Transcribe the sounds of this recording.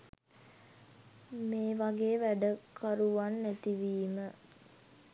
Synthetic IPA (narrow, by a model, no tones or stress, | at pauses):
meːʋaɡeːʋæɖəkʰaɾuʋanːæt̪iʋiːmə